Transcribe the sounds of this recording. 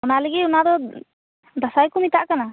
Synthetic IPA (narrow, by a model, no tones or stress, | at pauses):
ɔnaləɡiunad̪ɔ | d̪asajkumit̪aʔkana